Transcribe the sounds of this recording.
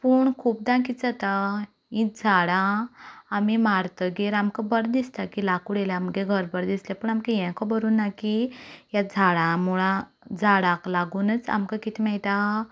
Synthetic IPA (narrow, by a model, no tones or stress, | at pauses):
puɳkʰuːp̚d̪ãkit͡sat̪a | ĩd͡zʱaɽãː | mimaɾt̪əɡeɾamkəbəɾd̪ist̪akilakuɽelaaməɡeɡʱəɾbəɾd̪islɛpəːɳamkejɛ̃kɔbəɾuːnːakijad͡zʱaɽãmuɭã | d͡zʱaɽãklaɡuːnət͡sa̰mkakit̪ʰimɛɭt̪a